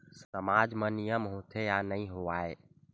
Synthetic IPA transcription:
səmad͡ʒmə̃nijəmɦot̪ʰejanəɦĩɦoaːe

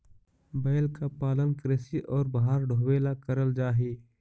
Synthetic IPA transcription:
bɛːlkapaːlənkɾesiʔɔːɾbaɦaɾɖʱoːweːlakəɾəld͡ʒaːɦeː

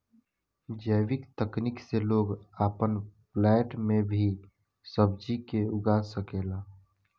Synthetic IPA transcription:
d͡ʒəjwɪkt̪əknikseloːɡaːpənplɛːʈmẽbʱi | səb̚d͡ʒikeʊɡaːsəkeːlaː

